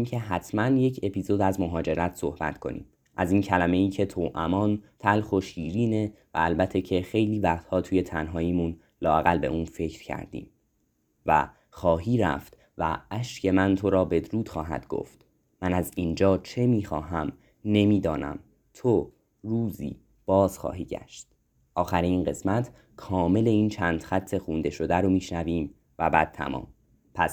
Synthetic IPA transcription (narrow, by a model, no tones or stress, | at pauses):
imʰe̞ɦæt̪ʰmænje̞cʰe̞pʰiːzo̞d̪æzmo̞ɦɒːd͡ʒe̞ɾæt̪ʰso̞hbæ̰t̪kʰo̞̰nḭːm | ʔæziːncʰælæme̞iːcʰe̞t̪ʰoːʔæmɒːnt̪ʰælxo̞ʃiːɾiːne̞ | væːlbæt̪ʰːecʰe̞xe̞jliːvæχt̪hɒːt̪ʰuːje̞t̪ʰænɦɒːjiːmun | lɒːæɣælbe̞̰ʔuːnfe̞cʰɾ̥cʰæ̰ɾd̪ḭːm | væ̰ | xɒːɦiːɾæ̰ft̪ | væ̰æʃcʰe̞mænt̪ʰo̞ɾɒːbe̞d̪ɾuːd̪̥xɒːɦæ̰d̪̥ɡo̰ft̪ | mænæziːnd͡ʒɒːt͡ʃʰe̞miːxɒːɦæm | ne̞miːd̪ɒːnæ̰m | t̪ʰo | ɾuːzḭː | b̥ɒːz̥xɒ̰ːɦiːɟæ̰ʃt̪̚ | ʔɒːxæɾiiːnɢe̞smæt̪ʰ | kʰɒːme̞le̞iːnt͡ʃʰæːnd̪̥xæt̪ʰːe̞xund̪e̞ʃo̞d̪æɾomiːʃnæviːm | væbæːd̪̚t̪ʰæ̰mɒ̰ːm | pʰæs